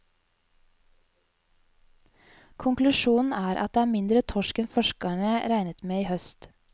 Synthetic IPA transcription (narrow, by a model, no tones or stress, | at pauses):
kʰʊŋklʉʃuːn̩æːɾʔɑ̰t̪̚d̪eːæːmɪnd̪ɾət̪ʰɔʃkɛnfɔʃkæɳəɾæɪnət̪meːiːhœst̪